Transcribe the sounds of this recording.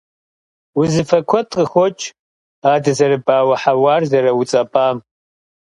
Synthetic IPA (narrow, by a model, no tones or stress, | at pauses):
wʊzɨfɐkʷʰɔtʼqʼəxʷɔt͡ʃʼ | aːdɐzɐɾɨbʼaːwɐħawaːrzɐɾɐwut͡sʼɐpʼaːm